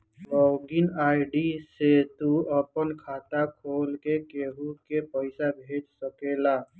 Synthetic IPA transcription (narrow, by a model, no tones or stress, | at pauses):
bɔɡinaɪɖiset̪uəpənkʰaːt̪akʰoːlkekeɦukepəɪsabʱeʈsəkela